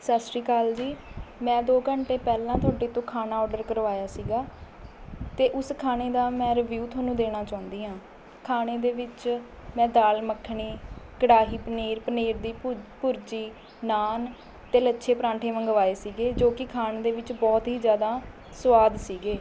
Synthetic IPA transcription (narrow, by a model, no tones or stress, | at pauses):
saːsɾiːkaːld͡ʒiːmɛ̃ːd̪oːkəɳʈeːpɛːlãːt̪ʰaːɖeːt̪õːkʰaːnaːɔːɖəɾkəɾʋaːjaːsiːɡaː | t̪eːʔʊskʰaːneːd̪aːmɛ̃ːɾəʋjuːt̪ʰaːnũːd̪eːɽ̃aːt͡ʃãːʊ̃nd̪iːɦãː | kʰaːneːd̪eːʋɪt͡ʃ | mɛ̃ːd̪aːlməkʰːɳiːkəɽaːɦiːpəneːɾpəneːɾd̪iːpʊɾt͡ʃiː | naːn | t̪eːlətːʃʰeːpɾãːɳʈʰeːʋə̃ŋɡəʋaːeːsiːɡeːd͡ʒoːkɪkʰaːneːd̪eːʋɪt͡ʃbɔːt̪ɦiːd͡ʒjaːd̪aː | sʋaːd̪siːɡeː